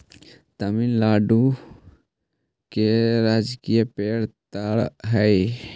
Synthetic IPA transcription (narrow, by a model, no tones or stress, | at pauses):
t̪aminlaːɖu | keɾaːd͡ʒkijapeːɽt̪aɽɦəi